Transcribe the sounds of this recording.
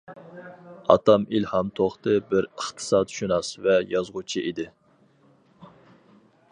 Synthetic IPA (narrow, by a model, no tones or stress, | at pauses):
ɑ̰t̪ɑmilhɑmt̪ʰoχt̪ɨbɪɾəχt̪ʰɨ̥sɑːt̪ʃunɑsvɛjɑzʁut͡ʃʰiʔid̪ɪ